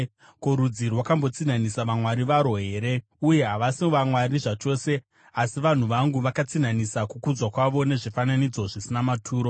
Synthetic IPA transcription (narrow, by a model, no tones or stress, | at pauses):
koɾud͡zirwakambo̞t͡sin̤anisaʋamwaɾiʋaɾo̞ɦe̞ːɾe̞ | uje̞ɦaʋasimoʋamwaɾiʐat͡ʃo̞ːse̞ | asiʋan̤uʋaŋɡuʋakat͡sin̤anisakukud͡zwakwaʋo̞ne̞ʐifananid͡zo̞ʐisinamatʰuːɾo̞